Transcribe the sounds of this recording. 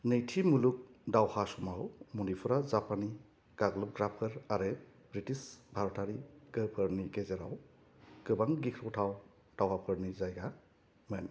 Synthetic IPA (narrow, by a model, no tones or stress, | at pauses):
nɯjtʰimuluk̚dawhasumawmunipʰuɾazapani | ɡ̥aɡlɔp̚ɡɾapʰɯɾaɾe | bɾitisbʱaɾɔtʰaɾiɡ̥ɯpʰɯɾniɡezeɾa̰w | ɡɯbaŋɡikʰɾɔwtʰaw | d̥awhapʰɯɾnizajɡa | men